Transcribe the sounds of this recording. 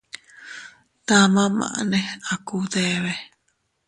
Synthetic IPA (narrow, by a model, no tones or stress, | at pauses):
t̪amãmã̰ʔnẽakud̪eβe